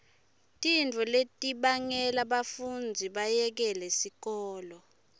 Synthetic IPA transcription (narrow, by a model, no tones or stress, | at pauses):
tʼint͡fuletʼiɓaŋɛlaɓafund͡zʱiɓajɛk̬ɛlesik̬ɔːlɔ